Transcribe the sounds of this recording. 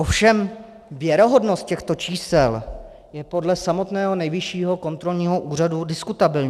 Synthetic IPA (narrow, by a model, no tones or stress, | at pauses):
ofʃɛm | vjɛɾo̞ɦo̞dnost̪cɛxt̪o̞t͡ʃiːsɛl | jɛpo̞dlɛsamo̞t̪nɛːɦo̞nɛjvɪʃiːɦo̞ko̞nt̪ɾo̞lɲiːɦo̞ʔuːr̝adudɪskut̪abɪlɲ